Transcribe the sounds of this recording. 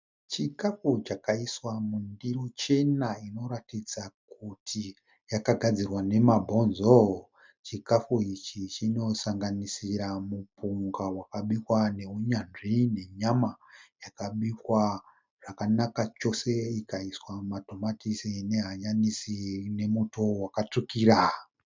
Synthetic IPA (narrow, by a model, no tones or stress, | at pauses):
t͡ʃikafut͡ʃakaiswamundiro̞t͡ʃe̞naino̞ɾatid͡zakutʰi | jakaɡʱad͡zirwane̞mabʱo̞nzo | t͡ʃikafuit͡ʃit͡ʃino̞saŋɡanisiɾamupʰuŋɡawakaɓikwane̞ɦuɲanʐine̞ɲamajakaɓikwa | ʐ̥akanakat͡ʃo̞se̞ikaiswamato̞matisine̞ɦaɲanisine̞muto̞wakatukiɾa